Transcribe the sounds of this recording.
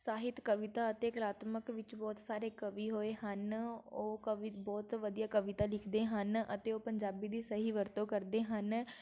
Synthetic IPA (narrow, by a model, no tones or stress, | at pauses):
saːɦɪt̪kəʋɪt̪aːət̪eːklaːt̪məkʋɪt͡ʃbɔːt̪saːɾeːkəʋiːɦoːeːɦənoːkəʋbɔːt̪ʋəd̪ijaːkəʋɪt̪aːlɪkʰd̪eːɦənə̰t̪eːoːpəɲd͡ʒaːbiːd̪iːsəɦiːʋəɾt̪õːkəɾd̪eːɦən